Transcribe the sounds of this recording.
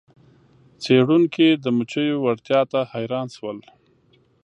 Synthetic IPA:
t͡seɽuŋkid̪əmʊt͡ʃəjowaɾt̪jɑt̪ahajɾɑnʃwəl

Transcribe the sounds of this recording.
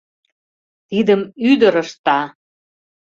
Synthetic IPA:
t̪id̪əmyd̪əɾəʃt̪ɑ

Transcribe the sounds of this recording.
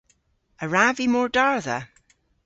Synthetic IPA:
əɹavimɔɹdaɹðə̰

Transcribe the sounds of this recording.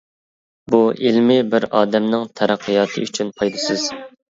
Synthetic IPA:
buʔilmɪbɪɾɑːd̪ɛmnɪŋt̪ʰɛɾæqʰːijɑːt̪ʰɨyt͡ʃʰynpʰɑjd̪ɨsɨz̥

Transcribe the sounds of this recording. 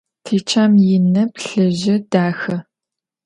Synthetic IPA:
tʰeːt͡ʃʰaːmjɪnɐpɬɐʑɪdaːxɐ

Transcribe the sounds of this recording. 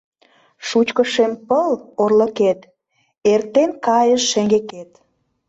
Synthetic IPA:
ʃut͡ɕkəʃempəlorlə̆ket̪ | ert̪enkɑjəʃːeŋɡeket̪

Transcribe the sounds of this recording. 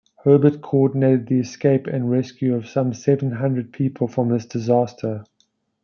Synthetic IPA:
hɜːbət̚kʰəɔdⁿneɪtəd̪̚ðiɛskeɪpɪ̰̃nɹɛskjʉəv̥sãmsɛvə̃nɦãndɹəd̚pʰiːˑpʰəlˠfɹə̃mðɪsd̥ɪzɑˑstʰə

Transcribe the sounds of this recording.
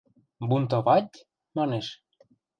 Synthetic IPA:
bunt̪̬oβɑt̚ʲ | mɑneʃ

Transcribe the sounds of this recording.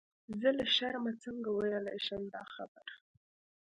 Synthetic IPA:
zəlaʃaɾmat͡səŋɡawajalajʃamd̪ɑxabaɾ

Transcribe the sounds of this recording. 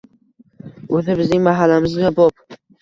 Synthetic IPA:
ɵzɪbɪznɪŋmaɦalːamɪzɡʲabɒp̚

